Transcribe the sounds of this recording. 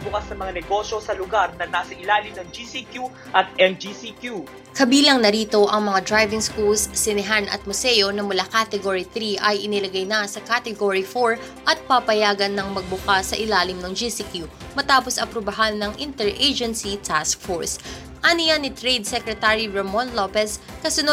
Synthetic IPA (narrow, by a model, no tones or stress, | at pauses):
bʊkasnɐmɐŋanɛɡo̞ʃosɐlʊɡaɾnɐnaːsɐʔɪlaːlɪmnɐŋd͡ʒisikju | ʔɐt̪̚ʔɛnd͡ʒisikju | kɐbiːlɐŋnɐɾiːt̪o̞ʔɐŋmɐŋad̪ɾajvɪŋskulsːɪnɛɦanʔɐ̰t̪̚mʊsɛjo̞nɐmʊlakat̪ɛɡoɹiθɾiʔɐjʔɪnɪlɐɡajnɐsɐkat̪ɛɡoɹifoɹ | ʔɐt̪̚papɐjaːɡɐnːɐŋmɐɡ̚bʊkasɐʔɪlaːlɪmnɐŋd͡ʒisikju | mɐt̪aːposɐpɾobɐɦanːɐŋʔɪnt̪ɛɹʔejd͡ʒɛnsit̪ʰask̚foɹs | ʔɐnɪjanːɪt̪ɾejd̪̚sɛkɾɛt̪aɹiɹɛmonlopɛskɐsʊno